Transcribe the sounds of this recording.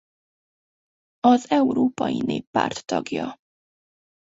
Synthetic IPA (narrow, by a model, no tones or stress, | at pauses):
ɒzɛwɾoːpɒjineːpːa̰rt̪ːɒɡjɒ